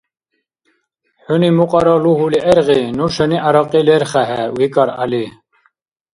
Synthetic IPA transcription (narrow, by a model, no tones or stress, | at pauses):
ħunimuqʼɑɾɔluɦuliʔɛɾʁinuʃəniʔaɾɔqʼilɛɾχæɦɛwikʼaɾa̰li